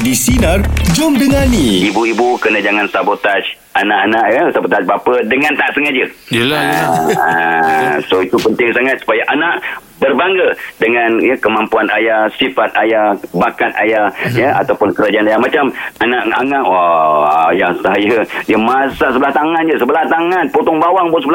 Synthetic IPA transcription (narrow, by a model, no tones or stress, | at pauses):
disinərd͡ʒʊmdəŋaniibuibukənəd͡ʒaŋansabot̪at͡ʃ | anaʔanaʔjəsabot̪at͡ʃ̚bapədəŋãnt̪aʔsəŋad͡ʒəl | a | soit̪upənt̪ɪŋsaŋat̪̚su̥pajaʔanaʔ | bərbaŋɡədəŋanjəkəmampuanajahsifat̪̚ajahbakat̪̚ajahjəa̰t̪awpʊnkəɾad͡ʒaanajahmat͡ʃamanaʔa̰ŋaʔwaajahsajədəmasaʔsəbəlaht̪aŋand͡ʒəsəbəlaht̪aŋanpot̪ɔŋbawaŋbosəbəl